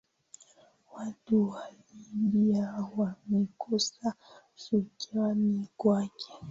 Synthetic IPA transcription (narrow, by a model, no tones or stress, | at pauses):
watuwa | iɗiawamɛkʰɔsa | ʃukɛwanikwakɛ̥